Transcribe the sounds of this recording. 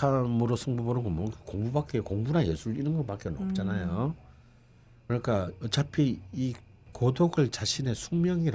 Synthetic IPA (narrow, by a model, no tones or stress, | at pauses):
amɯɾosʰɯŋbuboɾɯkɡomokɯkoŋbubak͈ekoŋbunanjesʰuɾɯinɯnɡʌp͈ak͈enɯnʌp̚t͡ɕ͈anajo | kɯɾʌɲik͈aʌt͡ɕapʰii | kodoɡɯɭt͡ɕaɕʰine̞sʰuŋmjʌŋiɾ